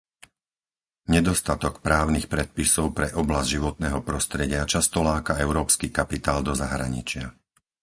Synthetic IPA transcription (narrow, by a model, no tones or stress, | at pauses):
ɲɛd̪ɔst̪at̪ɔkpɾaːʊnixpɾɛt̪̚pisɔʊpɾɛʔɔblazɟʒiʋɔt̪̚nɛːɦɔpɾɔst̪ɾɛɟɪat͡ʃast̪ɔlaːkaɛʊɾɔːpskikapit̪aːld̪ɔzaɦɾa̰ɲḭt͡ʃɪa